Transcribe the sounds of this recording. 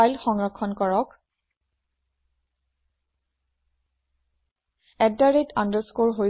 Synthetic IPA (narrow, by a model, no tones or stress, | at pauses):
ajlxɔŋɹɔkʰːɔnkɔɹɔk | ɛddaɹetʰandəɹskoɹɦo